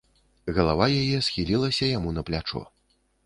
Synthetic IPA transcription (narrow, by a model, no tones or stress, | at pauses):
ɣɐlˠavajajɛsxʲilʲilˠɐsʲɐjamunɐplʲat͡ʂɔ̰